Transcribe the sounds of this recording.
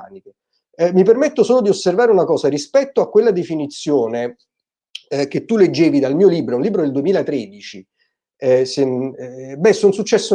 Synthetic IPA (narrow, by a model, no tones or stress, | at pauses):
niko | ɛmːipermet̪ːosoːlod̪iosːervaːɾeunakɔːsaɾispɛt̪ːoakːwelːad̪efinit̪sːjoːne | k̟et̪ːuled͡ʒːeːvid̪almiːoliːbɾounliːbɾod̪eld̪uemiːlat̪ɾed̪it͡ʃi | ɛse | bɛsːonsut͡ʃːɛsːo